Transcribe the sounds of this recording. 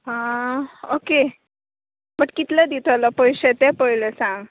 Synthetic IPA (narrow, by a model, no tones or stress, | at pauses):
ɦã | oke | bəʈkit̪lad̪it̪ʰalapəjɕet̪epəɦilesãŋɡ